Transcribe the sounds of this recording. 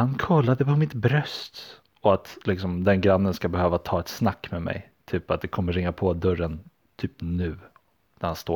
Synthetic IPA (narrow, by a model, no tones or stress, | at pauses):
hankʰɔlːad̪əpʰɔmɪt̪bɾœst̪ | ɔat̪lɪksɔmd̪ɛnɡɾanːənskabɛhøːvat̪ʰɑːɛt̪snakːmɛmɛ̰j | t̪ʰyːpat̪̚d̪ɛkʰɔmːəɾɪŋːapʰɔd̪œɾən | t̪ʰyːpnʉ̟ː | næɾhanst̪o̰ː